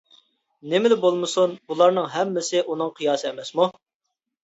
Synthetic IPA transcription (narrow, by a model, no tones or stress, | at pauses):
nɪmɪlɪbolˠmɨsunbulˠɑɾnɨŋɦɛmːɪsɪʔunɨŋqʰɨjɑːsɨɛmɛsmu